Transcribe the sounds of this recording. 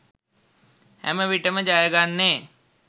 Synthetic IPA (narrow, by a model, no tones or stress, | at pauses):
hɛ̰mẽʋiʈəmẽd͡ʒaːeɡanːeː